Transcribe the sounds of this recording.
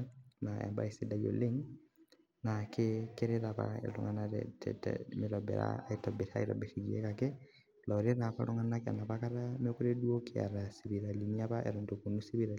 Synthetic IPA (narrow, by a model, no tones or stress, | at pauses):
naɛ̰mba̰isidajo̰leŋ | nakekeɾeɾapa̰ḛlṵŋɡanaɾɛ̰tʰɛ̰tɛ̰miɾɔbɛ̰ɾa̰itɔbeta̰iɾɔ̰beʃiɡiḛkake | lɔɾenapaɾoŋanakɛ̰naβakaɾamekuɾedwokea̰ɾasiβiɾaliniaβaʔḛɾondokunusiβiɾa